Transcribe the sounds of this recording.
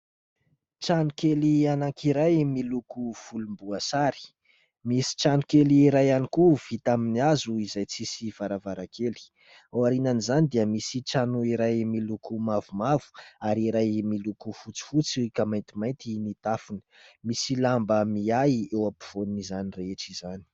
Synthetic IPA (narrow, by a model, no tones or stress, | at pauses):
t͡ʃanukelianaŋkiɾajmilukuv̥ulumbuasaɾi̥ | misi̥ʈ͡ʂanukeliɾajanikuv̥it̪aminiazuizajt͡sisivaɾavaɾakeli̥ | awaɾinanizanid̪iəmisiʈ͡ʂanuiɾajmilukumavumavu̥aɾiɾajmilukufut͡si̥fut͡sikamajnt̪imajnt̪init̪afuni̥misilambəmiajewapiv̥onunizanireeʈ͡ʂizani̥